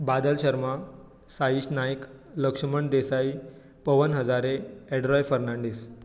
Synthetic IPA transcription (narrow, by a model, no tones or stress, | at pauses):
bad̪əlɕəɾma | saiːɕnajik | ləkʂəməɳd̪esai | pəʋənɦəd͡zaɾeeɖɾɔjfəɾnaɳɖiːs